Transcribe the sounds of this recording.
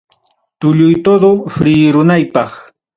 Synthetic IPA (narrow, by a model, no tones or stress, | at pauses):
t̪ʊʎʊjt̪od̪ofɾiːɾʊnajpɑχ